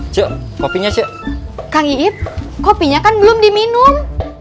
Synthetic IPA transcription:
t͡ʃəkopiɲat͡ʃəʔkaŋiɪp̚kopiɲakanbəlʊmdiminʊm

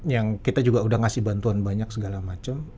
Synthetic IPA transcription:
jaŋkit̪ad͡ʒuɡaudahŋasɪhbant̪uanbaɲaksəɡalamat͡ʃam

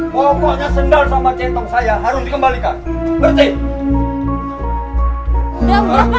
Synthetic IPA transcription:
kɔkɔɲasəndalsamat͡ʃɛt̪ɔŋsajaɦaɾʊsdikəmbalikanbərt̪i

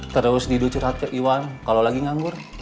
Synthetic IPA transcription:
t̪əɾʊsdidut͡ʃurɦat̪̚kəʔiwankalolaɡiŋaŋɡʊr

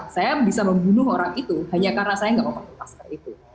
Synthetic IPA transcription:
sajabisaməmbunʊɦoɾaŋit̪uhaɲakarənasajaŋɡaʔməmpəput̪askait̪u

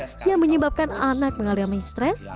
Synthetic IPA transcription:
jaməɲəbap̚kananak̚məŋaliamast̪ɾɛs

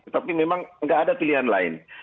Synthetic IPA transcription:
ət̪apimemaŋŋɡaːdapiliɦanla̰ɪ̰n

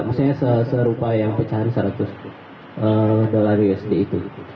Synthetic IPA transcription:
maksuɲasəsəɾupajaŋpət͡ʃaɾisəɾat̪ʊs | ʔədolaɾiɡəsədiːt̪u

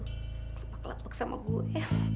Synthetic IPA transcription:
klapakla̰paksamʔa̰ɡuɛ

